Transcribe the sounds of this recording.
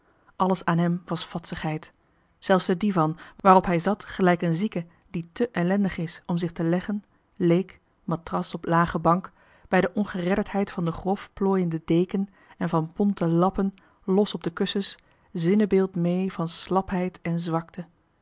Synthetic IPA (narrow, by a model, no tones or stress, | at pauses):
ʔɑləsaːnɦɛmʋɑsfɑtsəχɦɛjt | z̥ɛlˠfsdədivɑnʋaːrɔpɦɛjzɑtχəlɛjkənzikə | ditəʔɛlɛndəχɪsɔmzɪχtəlɛχən | lejk | matrɑsɔplaːχəbɑŋk | b̥ɛjdəʔɔnχərɛdəɹtɦɛjtfɑndəχrɔfploːjəndədejkən | ɛnvɑnpɔntəlɑpən | lɔsɔb̚dəkɵsəs | zɪnəbɪːlˠtmejvɑnslɑpɦɛjtɛnzʋɑktʰə